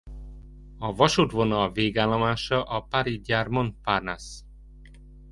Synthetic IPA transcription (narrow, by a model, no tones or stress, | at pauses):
ɒvɒʃut̪ʋonɒveːɡaːlːomaːʃɒʔɒpaɾiɟaːrmont̪parnas